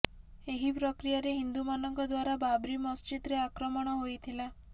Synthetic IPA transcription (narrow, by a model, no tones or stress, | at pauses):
eɦipɾɔkɾijaɾeɦind̪umanɔŋkɔd̪waɾababɾimɔst͡ʃit̪ɾeakɾɔmɔɽ̃ɔɦojt̪ʰila